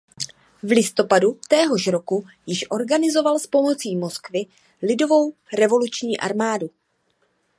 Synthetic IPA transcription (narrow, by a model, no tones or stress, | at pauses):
vlɪst̪o̞padut̪ɛːɦo̞ʃɾo̞ku | jɪʃʔo̞ɾɡanɪzo̞valspo̞mo̞t͡siːmo̞skvɪ | lɪdovo̞wɾɛvo̞lut͡ʃɲiːʔa̰ɾmaːdu